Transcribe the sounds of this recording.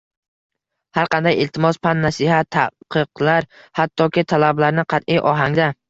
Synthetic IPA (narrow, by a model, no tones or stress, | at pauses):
haɾqʰɑnd̪ajɪlt̪ʰɪmɒspanːasihat̪ʰːa̰qɨqlaɾ | hat̪ʰːɒkʲɪt̪ʰalablaɾnɪqʰɑt̪ʔɪjʔɒɦaŋd̪a